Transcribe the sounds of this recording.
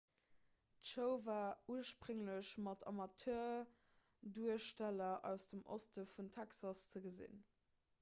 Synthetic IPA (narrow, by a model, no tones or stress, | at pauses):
tʃəʊvaːuəʃpʁɵŋləɕmɑtʰɑ̰mɑtʰøːɐ | duəʃtælɐʔæ̰ʊsd̥əmʔo̰stəfuntʰæksɑst͡səɡəzḭn